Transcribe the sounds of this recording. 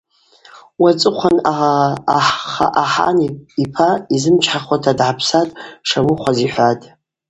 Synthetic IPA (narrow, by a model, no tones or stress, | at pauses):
wat͡sʼɨqʷʰanaaħχa̰ʔaħa̰niipʰaizɨmt͡ʃʰħaχwatʰadʕapʰsatʼʂamɨχʷʰaziħʷatʼ